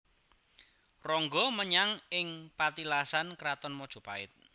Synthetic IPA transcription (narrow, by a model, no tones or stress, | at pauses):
rɔŋɡɔməɲaŋɪŋpat̪ilasankɾat̪ɔnmɔd̥ʒ̥o̤paɪt̪̚